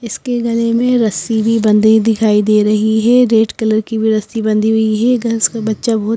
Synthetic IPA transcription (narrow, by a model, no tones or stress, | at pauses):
ɪskeɡɐlemẽɾɐsibʱibɐ̃nd̪ʱid̪ɪkʰaːid̪eːɾɐɦiɦɛɾeːʈkɐləɾkibʱiɾɐsibɐ̃nd̪ʱiɦʊiɦɛɡɐsbɐtːʃabɐɦt̪